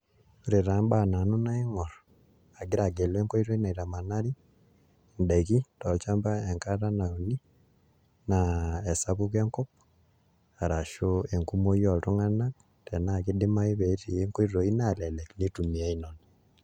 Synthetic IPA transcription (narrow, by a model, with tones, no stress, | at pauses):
u˨ɾe˨ɾa˨mba˦˨na˨nu˦na˦i˦ŋɔ˨ɾ | a˨ɡi˦ɾa˨ɡe˨lwe˦ŋko˦i˦ɾo˦i˦na˨i˨ɾa˨ma˨na˦ɾi˦ | ndɛ˨ki˦tɔ˨lt͡ʃa˦mba˦ɛ˨ŋka˦ta˦na˨u˨ni˦ | nae˨sa˦βu˦kɛ˦ŋkɔ˦p̚ | a˨ɾa˨ʃoe˨ŋku˦mo˦jɔ˨tu˦ŋa˦na˦k | tʰɛ˨na˦˨kidɪ˦ma˦i˦βeti˨jeŋko˦i˦o˨i˦na˦˨lɛ˨lɛ˨kni˦tu˨mi˨a˦i˦no˨na